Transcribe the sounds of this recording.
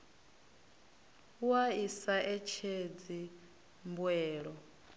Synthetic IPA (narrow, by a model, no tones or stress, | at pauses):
waisaʔɛt͡ʃʰed͡zi | mbwɛːɺɔ